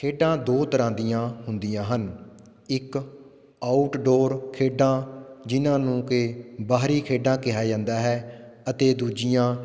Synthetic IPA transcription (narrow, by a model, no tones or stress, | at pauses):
kʰeːɖãːd̪oːt̪əɾãːd̪ijãːɦʊnd̪ɪjãːɦən | ɪk | aːʊʈɖoːɾkʰeːɖãːd͡ʒɪnãːnũːkɪbaːɦɾiːkʰeːɖãːkɪɦaːd͡ʒãːnd̪aːɦɛːət̪eːd̪uːd͡ʒɪjãː